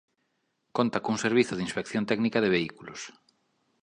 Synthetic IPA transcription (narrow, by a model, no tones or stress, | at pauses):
kont̪akouŋseɾβiθʊðinspekθjont̪ɛknikaðɪβeikulʊ̰s